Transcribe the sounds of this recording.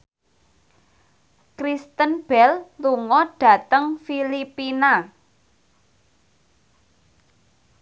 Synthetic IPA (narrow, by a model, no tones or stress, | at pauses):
kɾist̪ənb̥ɛlluŋɔɖ̥ä̤t̪əŋfilipina